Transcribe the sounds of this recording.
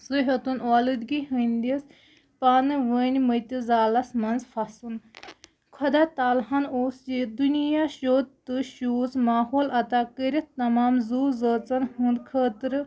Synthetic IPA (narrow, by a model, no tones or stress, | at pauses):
suɦɐt̪unaːlɨd̪ɡiɦɨnd̪is | paːnɨʋənʲmət̪izaːlɐsmɐnzfʰasun | kʰɐd̪aːt̪aːlɦɐnoːsd͡ʒid̪unijaːʃoːd̪t̪ɨʃuːsmaːɦoːlɐt̪akəɾʲit̪ɐmaːmzuːzəːt͡sɐnɦũnd̪kʰəːt̪ɨɾɨ